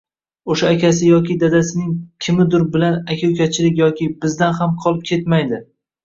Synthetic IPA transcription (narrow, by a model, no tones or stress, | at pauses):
oʃaːkʲʰasɪjɒkʲɪd̪ad̪asɪnɪŋkʲʰɪmɪd̪ʊɾbɪlanakʲʰawkʲʰat͡ʃʰɪlɪkʲjɒkʲɪbɪzd̪anhamqʰɒlˠɪp̚kʲʰe̞t̪majd̪ɪ